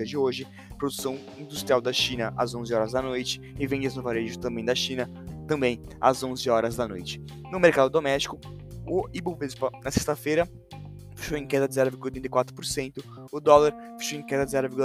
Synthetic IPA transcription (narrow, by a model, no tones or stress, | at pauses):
ɐd͡ʒɪoʒɪ | pɾod̪usɐ̃w̃ | ĩd̪ust̪ɾiawd̪ɐʃĩnɐʔɐ̰zõzɪɔɾɐzd̪ɐnojt͡ʃɪ̥ɪvẽd͡ʒɪɪznovaɾeʒʊt̪ɐ̃mbẽj̃d̪ɐʃĩnɐ | t̪ɐ̃bẽj̃ | ɐ̰zõzɪɔɾɐzd̪ɐnojt͡ʃɪ̥ | nʊmeɾkad̪ʊd̪omɛst͡ʃi̥kʊ | ʊibovespɐnɐsest̪ɐfejɾɐ | fe̥ʃowẽkɛd̪ɐd͡ʒɪzɛɾʊviɾɡulɐt̪ɾẽt̪ejkwat̪ɾʊ̥poɾsẽnt̪ʊ | ʊd̪ɔlaɾ | fe̥ʃowẽkɛd̪ɐd͡ʒɪzɛɾʊviɾɡul